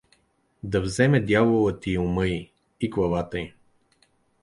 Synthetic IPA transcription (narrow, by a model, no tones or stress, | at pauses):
d̪ɐvzɛmɛd̪javolˠət̪iʊmɤi | iklˠɐvat̪əi